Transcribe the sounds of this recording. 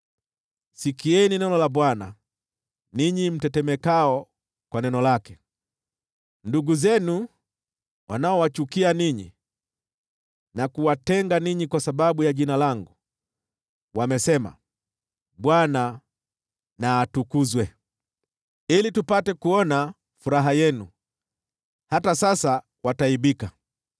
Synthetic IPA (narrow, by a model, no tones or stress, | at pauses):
sikiɛninɛnɔlaɓwana | niɲim̩tɛtɛmɛkaɔ | kwanɛnɔlakɛ | nduɡuzɛnu | wʔa̰naɔwat͡ʃukianiɲḭ | nakuwatɛŋɡaniɲikwasaɓaɓujaʄinalaŋɡu | wamɛsɛma̰ | ɓwana | naːtukuzwɛ | ilitupatɛkuɔna | fuɾaɦajɛnu | hatasasa | wataiɓika